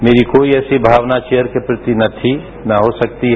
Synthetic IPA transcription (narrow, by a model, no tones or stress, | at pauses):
meːɾikoːiɛːsibʱaːʋnat͡ʃeːjəɾkepɾɪt̪inɐt̪ʰi | naɦosɐk̚t̪iɦ